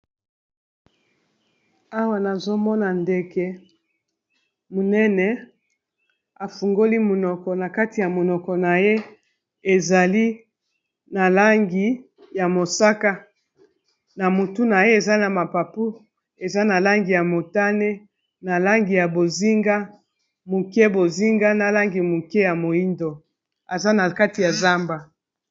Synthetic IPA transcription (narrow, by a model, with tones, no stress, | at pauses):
a˦wa˨na˨zo˦mɔ˦na˨nde˦ke˦ | mo˨nɛ˦nɛ˨ | a˨fu˨ŋɡo˦li˦mo˨nɔ˨kɔ˨na˨ka˦ti˨ja˨mo˨nɔ˨kɔ˨na˨je˦ | e˨za˨li˦ | na˨la˦ŋɡi˨ | ja˨mo˨sa˦ka˦ | na˨mo˨tu˦na˨je˦e˨za˦na˨ma˨pa˨pu˦ | e˨za˦na˨la˦ŋɡi˨ja˨mo˨ta˦ne˦ | na˨la˦ŋɡi˨ja˨bo˨zi˦ŋɡa˦ | mu˨ke˦bo˨zi˦ŋɡa˦na˨la˦ŋɡi˨mu˨ke˦ja˨mo˨i˦ndo˨ | a˨za˦na˨ka˦ti˨ja˨za˦mba˨